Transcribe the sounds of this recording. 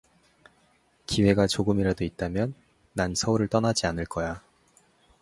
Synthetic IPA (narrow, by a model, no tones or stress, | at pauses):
kiwe̞ɡat͡ɕoɡɯmiɾadoit̚t͈amjʌnː | ansʰʌuɾɯɭt͈ʌnad͡ʑianɯɭk͈ʌja